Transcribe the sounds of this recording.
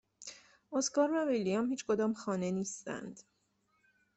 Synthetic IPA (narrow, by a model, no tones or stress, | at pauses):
oskɒːɾvævilːijɒmhiːt͡ʃʰkod̪ɒːmxɒːneniːst̪æ̰nd̪̥